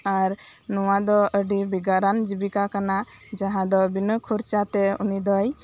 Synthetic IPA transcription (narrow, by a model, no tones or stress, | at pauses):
aɾ | nɔwad̪ɔəɖibiɡaɾand͡ʒibikakana | d͡ʒaɦãd̪ɔbinɔkʰuɾt͡ʃat̪ɛṵnid̪ɔj